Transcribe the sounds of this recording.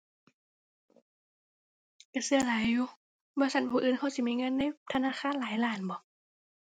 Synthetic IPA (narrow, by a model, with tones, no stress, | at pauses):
ka˨˧˩sɯ˧ɐlaː˨˦jːuː˧˦ | bɔː˧˦sa˧˩˨npʰuː˧˨ʔɯː˨nkʰa˧˩wsi˧˦miː˧˦˨ŋɤ˧˥˨nːa˧˥˨jt̪ʰa˧naː˧˥˨xaː˧˥˨nlaː˨˦jlaː˧˩˨nbɔː˨˦